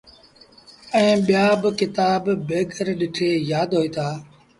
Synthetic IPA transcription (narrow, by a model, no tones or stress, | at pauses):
ɛ̃ːɓɪjaːbkɪt̪aːbːeːkəɾɗɪʈʰeːjaːd̪ɦoːiːt̪ʰaː